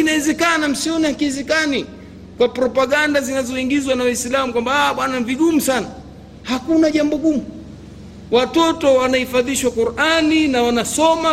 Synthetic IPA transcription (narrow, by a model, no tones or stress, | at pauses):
kinaɛzɛkanam̩siɔnihakiɛzɛkani | kwapɾɔpaɠandazinazɔiŋɡizwanawislamukwambaaɓwanaviɠumusana | hakunaʄambɔɠumu | watɔtɔwanahifaðiʃwakuɾaninawanasɔma